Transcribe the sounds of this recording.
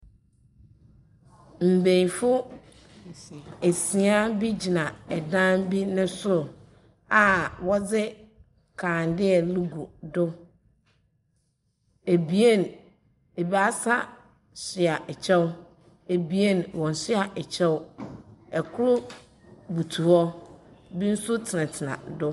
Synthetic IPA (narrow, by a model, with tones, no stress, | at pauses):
m̩˨bẽ˨jfʊ˦ | e˨sĩ˨a˦bi˦d͡ʑi˨nã˨ɛ˨dã˦nbi˦nʊ̃˦sʊ˦˨ | a˨wɔ˦d͡zɪ˦ | kʰã˨ndɪ˦ɛ˨lu˦ɡu˨dʊ˦ | e˨bi˨e˦n | e˨ba˦sa˦ | ɕɪ˨a˨ʔɛ˨t͡ɕʰɛ˦w | e˨bi˨˦e˦nwɔ̃˨n˨sɪ˦a˨ʔɛ˨t͡ɕʰɛ˦wʊ˦ | ɛ˨kʰʊ˦lʊ˦ | bu˨tʰu˨ɔ˦bi˦n̩˦sʊ˦tʰɪ˨nɪ̃˨tʰɪ˨nã̰˨dʊ˦